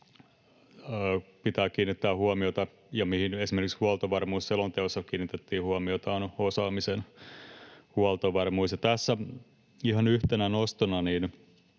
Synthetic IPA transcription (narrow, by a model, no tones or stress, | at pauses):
pit̪æːkiːnːit̪ːæːhuomiot̪ɑ | jɑmihinesimerkikshuɑlt̪oʋɑrmuːsselont̪eosːɑkiːnit̪et̪ːiːhuomiot̪ɑːnosɑːmisen | huɑlt̪oʋɑrmuisjɑt̪æsːæ | ihɑnyht̪enænost̪onɑniːn